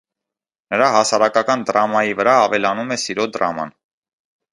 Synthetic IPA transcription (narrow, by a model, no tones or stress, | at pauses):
nəɾɑɦɑsɑɾɑkɑkɑnd̪əɾɑmɑjivəɾɑːvɛlɑnumɛsiɾɔd̪ɾɑ̰mɑ̰n